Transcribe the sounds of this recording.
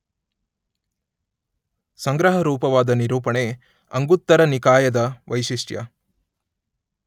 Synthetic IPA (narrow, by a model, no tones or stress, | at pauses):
sɐŋɡɾɐɦɐɾuːpɐʋaːd̪ɐniɾuːpɐɳe | ɐŋɡut̪ːɐɾɐnikaːjɐd̪ɐʋɐjʃiʂʈjɐ̰